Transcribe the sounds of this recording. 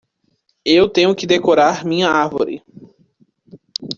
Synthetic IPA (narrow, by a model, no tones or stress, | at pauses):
ewt̪ẽɲʊkɪd̪ekoɾaɾmĩɲɐaɾvo̰ɾɪ̰